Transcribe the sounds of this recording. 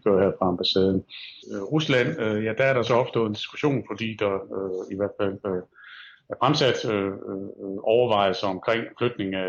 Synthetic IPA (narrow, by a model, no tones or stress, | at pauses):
ɡ̥øɐ̰hæɐ̰fʁɑ̈ɑmb̥æsɛːð̞ˠən̩ʁuslæn̰øjæd̥ææɐɾ̥ɑ̈sɒ̽ɒ̽fd̥oːð̩ˠend̥i̥sɡ̥u̥ɕo̝̰ːnfɒd̥ḭːd̥ɑ̈øiʋæɐ̰d̥fæl̰ø | æfʁamsæd̥ø | ʔɒʊɐʋɑ̈ɪ̰ðsɑɒ̽mkʰʁeŋ̰flød̥ne̝ŋ̩æ